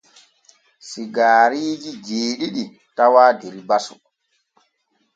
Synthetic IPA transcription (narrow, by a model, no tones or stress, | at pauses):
siɡaːɾiːd͡ʒid͡ʒeːɗiɗi | tawaːdeɾibasu